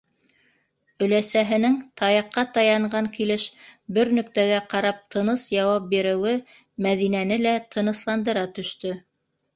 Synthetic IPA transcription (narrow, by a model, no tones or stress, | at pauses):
ɵ̆læsæɦɘ̆nɘŋt̪ʰɑjɑqːɑt̪ɑjɑɴɢɑŋkilɘʃbɘɾnɵ̆kt̪æɡæqɑɾɑp̚t̪ʰɤ̆nɤsjɑwɑp̚biɾɘ̆wɘ | mæðinænɘlæt̪ʰɤ̆nɤ̆slˠɑnd̪ɤ̆ɾɑt̪ɵ̆ʃt̪ɵ